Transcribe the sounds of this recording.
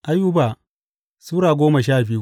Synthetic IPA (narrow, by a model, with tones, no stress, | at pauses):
ʔa˦ju˦baː˨ | suː˦ɾaː˨ɡʷoː˦mɐ˨ʃaː˦˨bi˦u˦